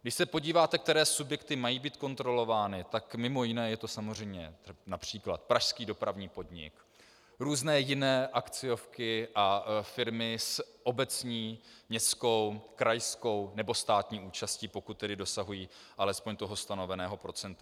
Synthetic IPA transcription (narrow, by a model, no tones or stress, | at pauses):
ɡdɪʃsɛpo̞ɟiːvaːt̪ɛk̚t̪ɛɾɛːsubjɛkt̪ɪmajiːbiːt̪̚ko̞nt̪ɾo̞lo̞vaːnɪt̪akmɪmo̞jɪnɛːjɛt̪o̞samor̝ɛjmɲɛnapr̝̥iːkla̰t̪̚pɾaʃskiːdo̞pɾavɲiːpo̞d̪ɲɪ̰k | ɾuːznɛːjɪnɛːʔakt͡sɪo̞fkɪʔafɪɾmɪsʔo̞bɛt͡sɲiːmɲɛst͡sko̞wkɾajsko̞wnɛbo̞st̪aːt̪ɲiːuːt͡ʃasciːpo̞kut̪̚ːɛdɪdo̞saɦujiːʔalɛspo̞ɲt̪oɦo̞st̪ano̞vɛnɛːɦo̞pɾo̞t͡sɛnt̪u